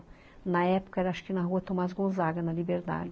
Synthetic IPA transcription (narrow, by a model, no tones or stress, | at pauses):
nɐɛpʊ̥kɐɛɾɐaʃʊ̥kɪnɐɦuɐt̪õmazɡõzaɡɐnɐlibeɾd̪a̰d͡ʒɪ